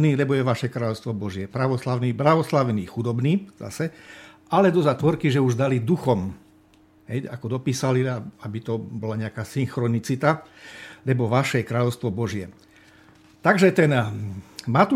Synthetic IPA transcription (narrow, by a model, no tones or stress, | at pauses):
niːlɛbɔjɛʋaʃɛkɾaːʎɔʊst̪ʋɔbɔʒɪɛpɾaʋɔslaʊniːbɾaʋɔslaʋniːxud̪ɔbniːz̥a̰sɛʔalɛd̪ɔzat̪ʋɔɾkiʒɛuʒd̪alid̪uxɔm | ɦɛjakɔd̪ɔpiːsaliaabit̪ɔbɔlaɲɛakaːsiŋxɾɔnit͡sit̪alɛbɔʋaʃɛjɛkɾaːʎɔʊst̪ʋɔbɔʒɪɛ | t̪aɡʒɛt̪ɛn | mat̪u